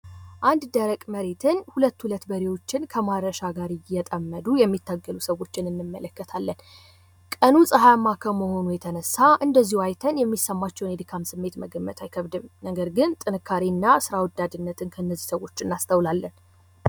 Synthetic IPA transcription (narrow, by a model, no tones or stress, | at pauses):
ʔand̪d̪əɾəkʼməɾe̞t̪ʰɨnhulət̪ːhulət̪ːbəɾewo̞t͡ʃːɪnkʰəmaɾɾəʃaɡaɾɨjɛt̪ʼəmːəd̪ujɛmːit̪ːaɡːəlusəwo̞t͡ʃːɪnɨnːɨmːələkːət̪ʰalːən | kʼənusʼəɦajamːakʰəməho̞nujɛt̪ʰənəsːaʔɨnd̪əzːihuajt̪ʰənjɛmːisːəmːat͡ʃːɛwned̪ɨkʰamsɨmːe̞t̪mə̰ɡəmːə̰t̪ʰajkʰəβd̪ɨmnəɡəɾɡɨnt̪ʼɨnɨkʰːaɾenːasɨɾawɔd̪ad̪ɨnːət̪ʰɨnkʰəɨnːəzːisəwo̞t͡ʃːɨnːast̪ʰəwlalːən